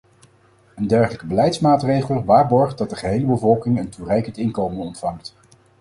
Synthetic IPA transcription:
əndɛɹχələkəbəlɛjtsmaːtrejχəlˠʋaːɹbɔɹχt̚dɑt̚dəχəɦejləbəvɔlˠkɪŋənturɛjkəntɪnkowmənɔntfɑŋt

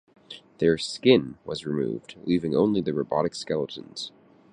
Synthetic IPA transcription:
ðə˞skɪ̃nwʌzɹɨmṵvdlivɪ̃ŋõ̰ʊ̃nliðɨɹoʊbɑ̰ɾɨkskɛlˠəɾ̃n̩z̥

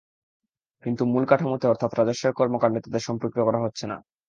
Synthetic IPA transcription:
kint̪umulkaʈʰamot̪eɔɾt̪ʰat̪ɾad͡ʑoʃːeɾkɔɾmokaɾnet̪ad̪eʃɔmpɾokɾiokɔɾaɦotːɕʰena̰

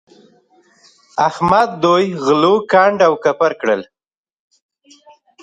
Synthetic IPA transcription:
ahmad̪̚ːojɣlokaɳɖawkapaɾkɽəl

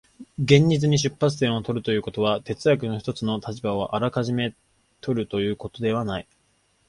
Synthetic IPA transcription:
ɡẽ̞ɲ̟d͡ʑit͡sɨɲ̟iɕɨpːat͡sɨ̥t̪ẽ̞ɰ̃o̞t̪o̞ɾɯ̟t̪o̞jɯ̟ːko̞t̪o̞βat̪e̞t͡sɨak̬ɯ̟no̞çi̥t̪o̞t͡sɨno̞t̪ʰat͡ɕibao̞ʔaɾakaʑime̞ | t̪ʰo̞ɾɯ̟t̪o̞jɯ̟ːko̞t̪o̞d̪e̞β̞anai

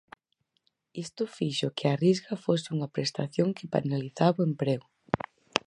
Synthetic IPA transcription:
ist̪ʊfiʃʊkɪarizɣɐfosɪuŋɐpɾest̪aθjoŋkɪpa̰naliθaβʊempɾeɣʊ

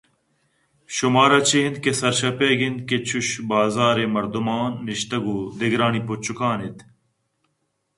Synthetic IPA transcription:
ɕumaːɾɐt͡ɕʰiind̪̚kesɐɾɕɐpeɡind̪̚ket͡ɕʰuɕbaːzaːɾemɐɾd̪umaːnːiɕt̪ɐɡuːd̪eɡɾaːnipot͡ɕʰukaːnit̪

